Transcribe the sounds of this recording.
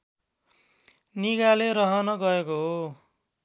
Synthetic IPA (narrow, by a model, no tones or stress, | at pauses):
niɡaleɾʌɦʌnʌɡʌekoɦo